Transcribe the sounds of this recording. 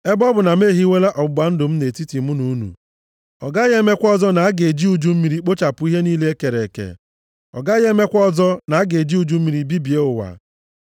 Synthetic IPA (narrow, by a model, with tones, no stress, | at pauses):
e˦bɔ˦bʊ˨na˨m̩˦e˦˨ɦi˦wʷe˦la˦ʔɔ˨bʊ˨ɡ͡ba˨˦n̩˦dʊ˨m̩˦ne˨ti˦ti˨mu˦nu˨u˦nṵ˨ | ɔ˨ɡa˦ɣe˦me˦kʷɔ˦zɔ˦na˨a˦ɡe˨d͡ʒi˦u˨d͡ʒu˦m̩˦mi˨ɾi˨k͡po˦t͡ʃa˨pʊ˨˦i˦ɦe˦niː˦le˦e˦ke˨ɾe˨kḛ˨ | ɔ̰˨ɡa˦ɣe˦me˦kʷɔ˦zɔ˦na˨a˦ɡe˨d͡ʒi˦u˨d͡ʒu˦m̩˦mi˨ɾi˨bi˦bi˨e˦ʊ˨wa̰˨